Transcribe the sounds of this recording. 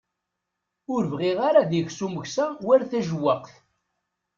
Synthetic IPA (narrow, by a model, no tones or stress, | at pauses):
ʊɾvʁiʁaɾaðʝsuməʝsæwæɾθæʒəwːəqθ